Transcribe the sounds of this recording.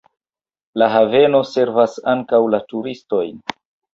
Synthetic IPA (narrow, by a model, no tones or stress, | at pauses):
laɦave̞no̞se̞ɾvasaŋkawlatuɾisto̞jn